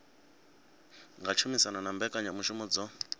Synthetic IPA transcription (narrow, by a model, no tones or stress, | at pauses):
ŋɡat͡ʃʰumisananambɛkʼaɲamuʃumud͡zɔ